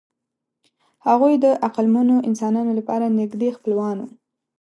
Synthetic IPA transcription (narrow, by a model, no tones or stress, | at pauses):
haɣujd̪əʔaqalmunoʔɪnsɑnɑnolapɑɾanɪɡd̪expəlwɑnwṵ